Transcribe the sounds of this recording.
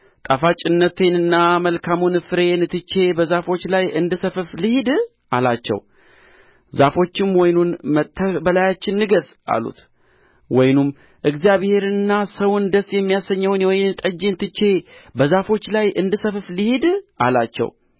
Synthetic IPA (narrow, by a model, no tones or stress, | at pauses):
t̪ʼafat͡ʃʼɪnːət̪ʰe̞nɨnːaməlkʰamunɨfɨɾe̞nt̪ʰːɨt͡ʃːe̞bəzafo̞t͡ʃːlajɨnd̪ɨsəfɨflɨhid̪ | ʔalat͡ʃːɛ̰w | zafo̞t͡ʃːɪmwɔjnunmət̪ʰːəbəlajat͡ʃːɪnːɨɡəsa̰lṵt̪ | wɔjnum | ʔɨɡzijaβhe̞ɾɨnːasəwʊnd̪əsːjɛmːijasəɲːəwnwojnt̪ʼəd͡ʒːent̪ʰːɨt͡ʃːe̞bəzafo̞t͡ʃːlajɨnd̪ɨsəfɨflɨhid̪ʔalat͡ʃːɛ̰w